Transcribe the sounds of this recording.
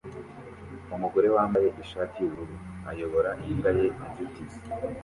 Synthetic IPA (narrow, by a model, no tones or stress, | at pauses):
umuɡo̞ɾe̞waːmbaje̞ʔiʃaːtʰijuuɾuɾuajo̞βo̞ɾaʔiŋɡaje̞iɟutizi̥